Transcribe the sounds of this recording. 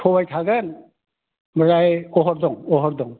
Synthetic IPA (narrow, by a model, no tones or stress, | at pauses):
tʰɔbajt̪ʰaɡən | məɾajɔɦɔɾd̪ɔŋɔɦɔɾd̪ɔŋ